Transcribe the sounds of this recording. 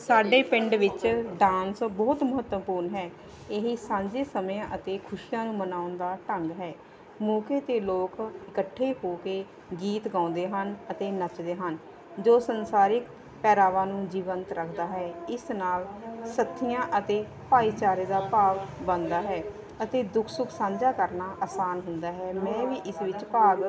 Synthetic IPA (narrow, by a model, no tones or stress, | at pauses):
saːɖeːpɪɳɖʋɪt͡ʃɖãːnsbɔːt̪mʊɦət̪ːpuːɾnɦɛː | eɦiːsãːɲd͡ʒeːsəmjãːʔət̪eːkʰʊʃɪjãːnũːmənaːʊnd̪aːʈəŋɡɦɛː | muːkeːt̪eːloːkɪkəʈʰːeːɦoːkeː | ɡiːt̪ɡãːnd̪eːɦənət̪eːnət͡ʃd̪eːɦən | d͡ʒoːsənsaːɾɪk̚ | pɛːɾaːʋãːnũːd͡ʒiːʋənt̪ɾəkʰd̪aːɦɛːɪsnaːlsət̪ʰːɪjãːʔət̪eː | paːiːt͡ʃaːɾeːd̪aːpaːʋbənd̪aːɦɛː | ət̪eːd̪ʊkʰsʊkʰsãːɲd͡ʒaːkəɾnaːʔaːsaːnɦʊnd̪aːɦɛːmɛ̃ːʋiːʔɪsʋɪt͡ʃpaːɡ